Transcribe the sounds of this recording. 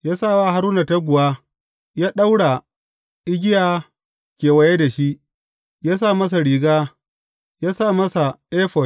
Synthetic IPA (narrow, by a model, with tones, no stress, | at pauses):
jaː˦sa˦˨waː˦˨ɦa˦ɾuː˦na˨ta˦ɡʷʊ˨waː˦ | jaː˦ɗa˦wɽa˨ | ʔɪ˦ɡʲɪ˦jaː˨ | kʲeː˨wɐ˨je˦da˨ʃi˦ʔ | jaː˦sa˦˨mɐ˦s̬a˨ɽiː˨ɡaː˦ | jaː˦sa˦˨mɐ˦sa˨ʔeː˦ɸɔ˨